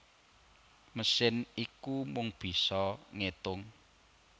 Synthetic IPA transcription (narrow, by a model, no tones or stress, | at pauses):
məsɪnikumʊŋb̥i̤sɔŋet̪ʊŋ